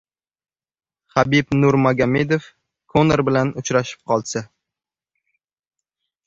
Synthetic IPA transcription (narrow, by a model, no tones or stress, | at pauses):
χabɪpnʊɾmaɡʲame̞d̪of | kʰoneɾbɪlanʊt͡ʃɾaʃɪ̥p̚qʰɒlˠsa